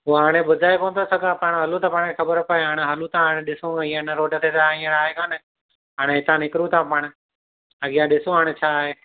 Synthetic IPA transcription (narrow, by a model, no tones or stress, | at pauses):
uaːɽ̃eɓʊd̪ʱaːekoːnt̪osəɡʱãːpaːɽ̃ɦɐlũt̪ãːpaːɽ̃kʰexəbəɾpəɦeaːɽ̃eɦəlũt̪ʰãɦaːɽ̃ẽɗɪsũĩːə̃nəɾoːʈət̪ʰeːt̪aĩːə̃ɽaːɦekãːne | ɦaːɽ̃ẽɦɪt̪ãːnɪkɾũt̪ʰãːpaːɽ̃ | ɐɠɪjãɗɪsũɦaːɽ̃et͡ʃʰaːɦeː